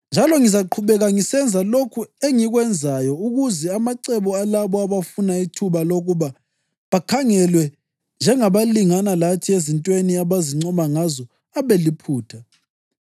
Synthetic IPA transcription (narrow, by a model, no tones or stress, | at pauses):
nd͡ʒʱalɔŋizaǃʰuβɛɣaŋisɛnd͡zʱalokʰueŋiɣwɛnd͡zʱajɔuɣuzɛamaǀɛβɔalaβɔaβafunaitʰuβaloɣuβa | βakʰaŋɛlwɛ | nd͡ʒʱɛŋaβaliŋanalatʰiezintʼweniaβaziŋ͡ǀɔmaŋazɔ | aβelipʰuːtʰa